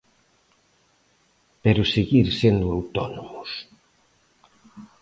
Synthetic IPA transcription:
peɾʊseɣiɾsend̪ʊawt̪ɔnomʊs

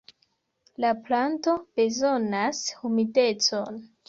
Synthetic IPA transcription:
laplanto̞b̥e̞zo̞nashumide̞t͡so̞n

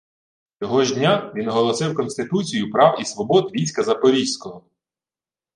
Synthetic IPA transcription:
t͡sʲɔɦɔʒdʲnʲaʋʲinɔɦɔlˠɔsɪwkɔnsʲt̪ɪt̪ut͡sʲijupɾɑwisʋɔbɔd̪ʋʲijsʲkɐzɐpɔɾʲisʲkɔɦɔ

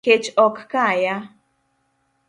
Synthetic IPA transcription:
et͡ʃɔkkaja

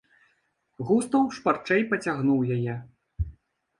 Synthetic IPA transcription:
ɣust̪ɐwʂpart͡ʂɛjpɐt͡sʲaɣnuwjajɛ

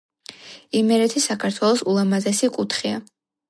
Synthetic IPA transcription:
imɛɾɛt̪ʰisakʰaɾt̪ʰwɛlˠɔsulˠamazɛsikʼut̪ʰχia̰

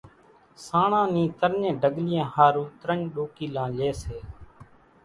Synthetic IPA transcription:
sãːɳãːnĩːt̪əɾɲẽːɖʱəɠlɪjãːhaːɾuːt̪ɾəɲɗoːkiːlãːleːseː

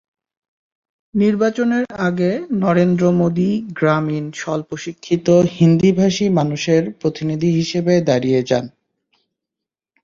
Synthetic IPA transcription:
niɾbat͡ɕoneɾaɡenɔɾend̪ɾomod̪iɡɾaminʃɔlpoʃikʰːit̪ohind̪ibʱaʃimanuʃeɾpɾot̪inid̪ʱiɦiʃebed̪aɾied͡ʑa̰n

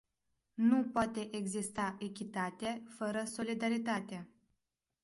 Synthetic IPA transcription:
nupoat̪e̞ʔeɡzist̪aʔekʲit̪at̪efəɾəso̞lid̪aɾit̪at̪ea

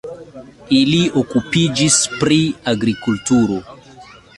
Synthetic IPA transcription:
iliokupid͡ʒispɾiaɡɾikultuɾo

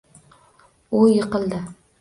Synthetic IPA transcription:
ʊjɪqɨlˠd̪ɪ

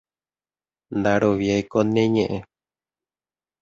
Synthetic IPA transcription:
nd̪aɾoβjaikonẽɲẽʔẽ

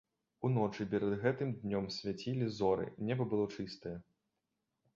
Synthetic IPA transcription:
unɔt͡ʂɨpʲɛɾɐd̪ɣɛt̪ɨmd̪nʲɔmsʲvʲat͡sʲilʲizɔɾɨ̰nʲɛbɐbɨlˠɔt͡ʂɨst̪ɐjɛ

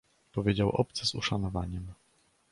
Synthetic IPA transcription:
pɔvʲjed͡ʑawʔɔp̚t̪sɛzṵʂanɔva̰ɲɛm

